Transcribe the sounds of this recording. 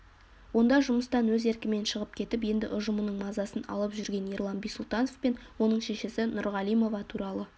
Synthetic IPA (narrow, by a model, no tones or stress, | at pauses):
wo̞nd̪ɑʒʊməst̪ɑnwɵze̞ɾkʲɪme̞nʃəʁəp̚kʲʰe̞t̪ɪp̬je̞nd̪ɪʔʊʒəmənəɴmɑzɑsənɑ̰lˠəpʒʏɾɡʲe̞nirlˠɑnbijsʊlˠt̪ɑno̞fpe̞nwo̞nəɴʃe̞ʃesɪnʊɾʁɑlˠijmo̞vɑt̪ʰuɾɑlˠə